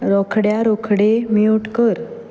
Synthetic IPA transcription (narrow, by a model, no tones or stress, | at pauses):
ɾɔkʰɽjaɾɔkʰɽemiuʈkəɾ